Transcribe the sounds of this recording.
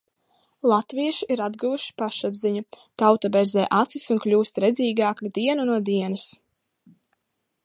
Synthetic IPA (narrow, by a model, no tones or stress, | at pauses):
lˠat̪viɛʃiʔiɾad̪ɡuːuʃi̥paʃabziɲu | t̪awt̪abɛɾzɛːʔat̪sisunklʲuːst̪ɾɛd̪ziːɡaːkud̪iɛnunuɔd̪iɛnɐs